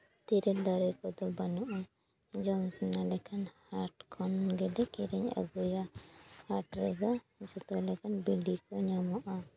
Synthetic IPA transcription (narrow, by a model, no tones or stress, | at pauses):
t̪iɾɛld̪aɾɛkɔd̪ɔbanuʔa | d͡ʒawnsɛnalɛkʰanhaɾʈkʰɔnɡɛd̪ɛkiɾɛɲa̰ɡujahaʈɾɛd̪a | sut̪ɔlɛkanbilikɔɲamɔʔa